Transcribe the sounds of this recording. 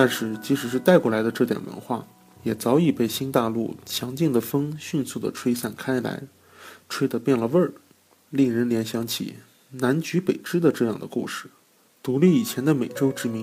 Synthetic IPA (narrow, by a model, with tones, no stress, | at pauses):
t̪a˥˧nʂɻ̩˥˩t͡ɕi˧˥ʂɻ̩˧˥ʂɻ̩˥˧t̪a˥˧ɪkwɔ˥˩la˧˥ɪd̪ə˧ʈ͡ʂɤ˥˩t̪jɛ̰˨˩nwʔə̰˧˥nxwa̰˥˩ | jɛ˨˩t͡sɑ˧˥ʊi˨˩pe˥˩ɪɕi˥nt̪a˥˧lu˥˩t͡ɕʰjɑ˧˥ŋt͡ɕi˥˩ŋd̪ə˩fɤ˥ŋɕy˥˧nsu˥˩d̪ə̰˩ʈ͡ʂʰwe˥ɪsa˥˩nkʰa˥ɪla̰˧˥ɪ | ʈ͡ʂʰwe˥ɪd̪ə˧pjɛ˥˩nlə˩ʋə˥˩ | li˥˩ŋɻə˧˥nljɛ˧˥nɕjɑ˧˥ŋt͡ɕʰḭ˨˩ | na˧˥nt͡ɕy˧˥pe˨˩ɪʈ͡ʂɻ̩˥d̪ə˨ʈ͡ʂɤ˥˧jɑ˥˩ŋd̪ə̰˩kṵ˥˧ʂɻ̩˥˩ | t̪u˧˥li˥˩i˨˩t͡ɕʰjɛ˧˥nd̪ə˧me˨˩ɪʈ͡ʂo˥ʊʈ͡ʂɻ̩˧˥mi˧˥ŋ